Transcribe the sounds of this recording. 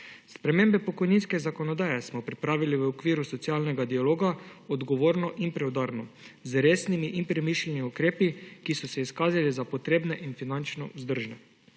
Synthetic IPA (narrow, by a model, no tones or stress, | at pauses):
spɾɛmeːmbɛpɔkɔjninskɛzakɔnɔd̪aːjɛsmɔpɾipɾaːʋiliʋəokʋiːɾusɔt̪siaːlnɛɡad̪ialoːɡaɔd̪ɡɔʋoːɾnɔʔinpɾɛwd̪aːɾnɔzɾeːsnimiʔinpɾɛmiːʃlɛniukɾeːpikisɔsɛiskaːzalizapɔt̪ɾeːbnɛʔinfinant͡ʃnɔ̰ʔuzd̪əɾʒnɛ